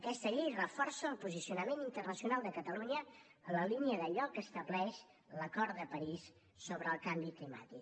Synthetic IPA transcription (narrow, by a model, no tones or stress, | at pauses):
əkɛst̪əʎejrəfɔrsəəlˠpuzisiunəmenint̪ərnəsiunalˠd̪əkət̪əluɲəːləliniəðəʎɔkːəst̪əblɛʃ | ləkɔɾt̪d̪əpəɾisː | oβɾəːlˠkambiklima̰t̪ik